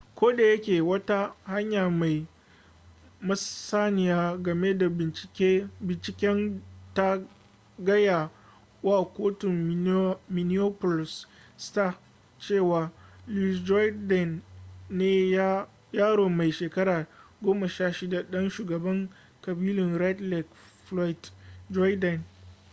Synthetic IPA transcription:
kʷoː˦da˨jɐ˦kʲeː˨wɐ˦ta˦ha˦ɲjaː˨ma˨j | mɐ˦ssaː˦nɪ˨jaː˦ɡɐ˨me˦da˨ɪ˨˦bɪ˨nt͡ʃɪ˨kʲɛ˦nta˦ | ɡɐ˦ja˨ | waː˦˨kʷoː˦tʊ˨m | mɪ˨nɪ˦o˦pɔ˨lɪ˨s | sta˦˨ | t͡ʃeː˦˨waː˨lu˦˨sd͡ʒɔ˦dɛ˨nː | eː˦ | jaː˦ɽoː˨ma˨jʃeː˨kɐ˦ɽaː˨ɡʷoː˦ma˨ʃaː˦˨ʃɪ˦da˨ɗɐ˦nʃuː˨ɡɐ˨bɐ˦ŋ | kɐ˨biː˦lɪ˨nɾɛ˦tlɛ˨k | flɔ˦ɪ˨td͡ʒɔ˦jdɐ˨n

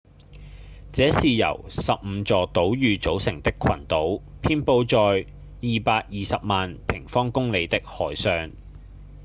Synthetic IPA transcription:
t͡sɛː˨˥siː˨jɐ̰˨˩wsɐ˨p̚m̩ː˨˧t͡sɔː˨t̪o˨˥wjyː˨˧t͡so˨˥wsɪ˨˩ŋt̪ɪ˥kʰɐ˨˩nt̪o˨˥w | pʰiː˥npo˧wt͡sɔː˨j | jiː˨paː˧k̚jiː˨sɐ˨p̚maː˨npʰɪ˨˩ŋfɔː˥ŋkʊ˥ŋle˨˧jt̪ɪ˥k̚hɔː˨˩jsœː˨ŋ

